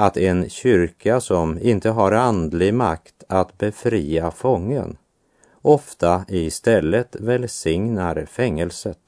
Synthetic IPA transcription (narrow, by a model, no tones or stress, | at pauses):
at̪ɛnɕʏɾkasɔmɪnt̪əɦaɾand̪lɪɡmakt̪ʰat̪bɛfɾiːafɔŋːə̰n | ɔft̪aɪst̪ɛlːət̪vɛlsɪŋnaɾfɛŋːəlsət̪